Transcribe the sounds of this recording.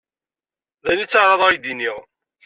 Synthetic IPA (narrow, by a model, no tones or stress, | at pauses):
ðænit͡sːɑɾˤɑðˤʁajd̪iniʁ